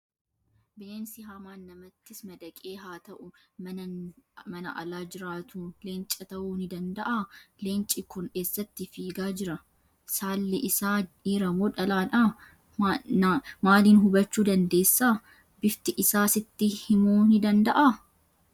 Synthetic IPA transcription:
bɪleːnsɪɦaːmaːnːɐmɐt̪ːɪsmɐd̪ɐkʼeːɦaːt̪ɐʔʊɐ | mɐnɐ̰ʔɐlaːd͡ʒɪɾaːt̪uːleːnt͡ʃʼɐt̪ɐʔuːnɪd̪ɐnd̪ɐʔaleːnt͡ʃʼɪkʊne̞ːsːɐt̪ːɪfiːɡaːd͡ʒɪɾɐ | saːlːɪʔɪsaːiːɾɐmoːᶑɐlaːᶑɐ | maːliːnɦʊbɐt͡ʃːuːd̪ɐnd̪e̞ːsːaː | bɪft̪ɪʔɪsaːsɪt̪ːɪhɪmuːnɪd̪ɐnd̪ɐʔa

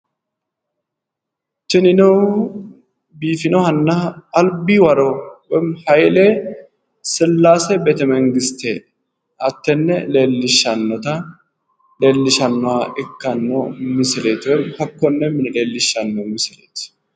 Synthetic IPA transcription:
t͡ʃːɪnɪnɔw | biːfɪnɔhɐnːɐɐlbiːwɐɾowɛmhɐjle | sɪlːaːsɛbɛt̪ɛmɛŋɡɪst̪eː | ɐt̪ːɛnːɛle̞ːlːɪʃːɐnːɔt̪ɐ | le̞ːlːɪʃɐnːʊaːʔɪkːɐnːɔmɪsɪleːt̪wɛmhɐkːɔnːɛmɪnɛle̞ːlːɪʃːɐnːɔmɪsɪlḛːt̪

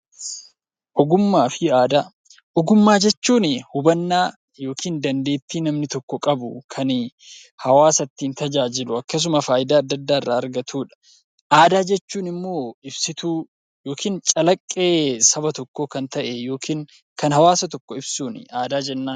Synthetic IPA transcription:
ʔɔɡʊmːaːfɪaːd̪aː | ʔɔɡʊmːaːd͡ʒɛt͡ʃːuːnɪhʊbɐnːaː | jo̞ːkʰiːnd̪ɐnd̪e̞ːt̪ːiːnɐmnɪt̪ɔkːɔkʼɐbʊkʰɐn | hɐwaːsɐt̪ːiːnt̪ɐd͡ʒaːd͡ʒɪlʊɐkːɐs̬ʊmɐfaːʔɪd̪aːɐd̪ːɐd̪ːaːɪrːaːɐɾɡɐt̪ʰuːᶑɐ̥ | ʔaːd̪aːd͡ʒɛt͡ʃːuːnɪmːo̞ːɪbsɪt̪uː | jo̞ːkʰiːnt͡ʃʼɐlɐkʼːeːsɐbɐt̪ɔkːokɐnt̪ɐʔejo̞ːkʰiːn | kɐnhɐwaːsɐt̪ɔkːɔɪbsuːnɪ̰aːd̪aːd͡ʒɛnːaːn

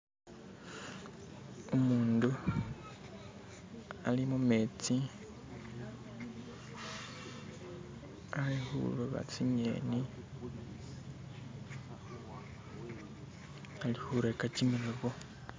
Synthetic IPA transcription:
umuːndu | alimumet͡si | alixṵloβa̰t͡siɲe̞̰ːni | alihuɾekacimiloβo

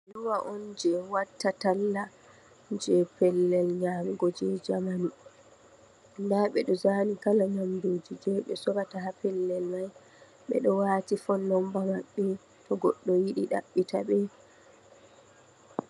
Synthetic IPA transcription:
ɗuwaʔɔnd͡ʒɛwatːatalːa | d͡ʒɛpɛlːɛlɲaːmiɡɔd͡ʒɛd͡ʒamanu | ndaɓɛɗɔzaːnikalaɲamdoːd͡ʒid͡ʒɛɓɛsɔɾataɦapɛlːɛlmaj | ɓɛ̰ɗɔwaːtifɔnːɔmbamaɓːɛ | tʰɔɡɔɗːɔjiɗiɗa̰ɓːitʰa̰ɓɛ

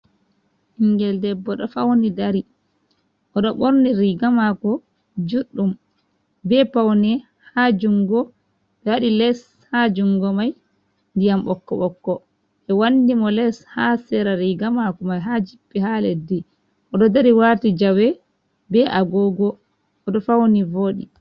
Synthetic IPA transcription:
hiŋɡɛldɛbːɔɗɔfawnidaɾi | ʔɔɗɔɓoɾniɾiɡamakɔ | d͡ʒuɗːum | bɛpawnɛ | had͡ʒuŋɡɔ | ɓɛwaɗilɛs | had͡ʒuŋɡɔmaj | ndijambɔkːɔɓɔkːɔ | ɛwandimɔlɛshasɛɾaɾiɡamakɔmajɦad͡ʒipːiɦaledi | ʔɔɗɔdaɾiwatid͡ʒawɛ | bɛʔaɡɔɡɔ | ɔɗɔfawnivoːɗḭ

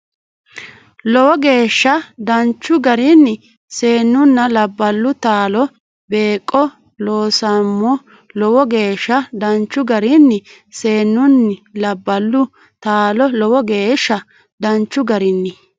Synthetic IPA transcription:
lɔwɔɡe̞ːʃːɐd̪ɐnt͡ʃːʊɡɐɾɪnːɪ | seːnːʊnːɐlɐbːɐlːʊt̪aːlɔ | be̞ːkʼːɔ | loːsɐmːɔ | lɔwɔɡe̞ːʃːɐd̪ɐnt͡ʃːʊɡɐɾɪnːɪ | se̞ːnːʊnːɪlɐbːɐlːʊ | t̪aːlɔlɔwɔɡe̞ːʃːɐ | d̪ɐnt͡ʃːʊɡɐɾɪnːɪ

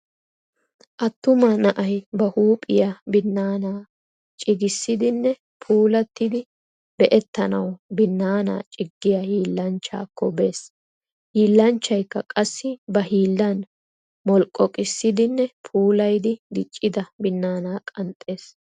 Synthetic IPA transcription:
ʔɐt̪ːʊmɐnɐʔɐjbɐhuːpʼɪjabɪnːaːnaː | t͡ʃʼɪɡɪsːɪd̪ɪnːɛ | pʰuːlɐt̪ːɪd̪ɪ | bɛʔɛt̪ːɐnɐwbɪnːaːna̰ːt͡ʃʼɪɡːɪjahiːlːɐnt͡ʃːa̰ːkːɔbe̞ːs | hiːlːɐnt͡ʃːɐjkːɐkʼɐsːɪbɐhiːlːɐn | mɔlkʼːɔkʼɪsːɪd̪ɪnːɛpʰuːlɐjd̪ɪd̪ɪt͡ʃʼːɪd̪ɐbɪnːaːnaːkʼɐnt̪ʼːe̞ːs

